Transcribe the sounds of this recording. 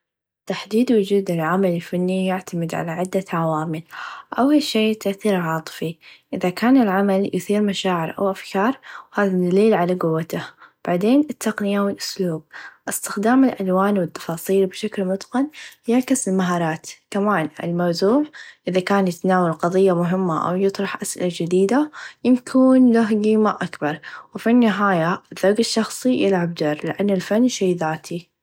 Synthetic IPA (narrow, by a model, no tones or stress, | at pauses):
t̪aħd̪iːd̪wʊd͡ʒuːd̪ɪlʕamalɪlfanːijɪʕt̪ʰamɪd̪ʕa̰laʕɪd̪ːaʕawaːmɪlʔawiʃːejːt̪ːaʔθiːɾʕɑːt̪ˤɨ̥fiʔɪðakaːnɪlʕamaljʔʊθiːɾmaʃaːʕɪɾʔa̰wʔafkɑːɾˤwhaːðad̪aliːlʕalaɡʊwːat̪ab̥aʕd̪eːnɪt̪ːaqnɪjawɪlʔʊ̥sluːb̚ʔɪst̪ɪxd̪aːmɪlʔalwaːnwɪt̪ːɑ̥fɑːsˤiːlbʃaklmʊt̪qɑnjaʕkɪsɪlmaɦɑːɾˤɑːt̪kamaːnɪ̰lmawzuːʕʔɪðakaːnjɪt̪anaːwalqɑðˤɨjːamʊɦɪmːaʔa̰wjɨt̪ˤɾˤɑħʔasʔɪ̰lad͡ʒɪd̪iːd̪ajɪmkʰuːnlaɦɡiːmaʔakbɑɾˤwɪfinːɪɦaːjaðˤɑɡɪʃːɑxsˤijɪlʕab̚d̪ɑɾˤlɪʔanːɪlfanːʃejːðaːt̪ʰi